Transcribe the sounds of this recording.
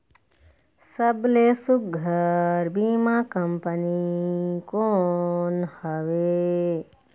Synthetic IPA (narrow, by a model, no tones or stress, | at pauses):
səblesʊk̚ɡʱəɾbimakəmpənikoːnhəʋe